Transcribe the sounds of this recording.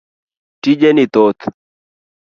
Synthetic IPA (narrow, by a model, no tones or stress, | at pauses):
ʈid͡ʒenit̪ot̪